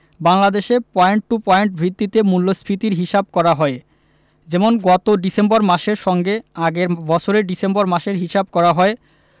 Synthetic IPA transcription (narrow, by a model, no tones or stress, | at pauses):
baŋlad̪eʃepɔeɳʈʈːupɔeɳʈbʱɾit̪ːit̪emulːospʰɾit̪iɾɦiʃab̚kɔɾaɦɔe | d͡ʑɛmonɡɔt̪oɖisemboɾmaʃeɾʃɔŋɡeaɡeɾbɔt͡ɕʰoɾeɖisembɔɾmaʃeɾɦiʃab̚kɔɾaɦɔe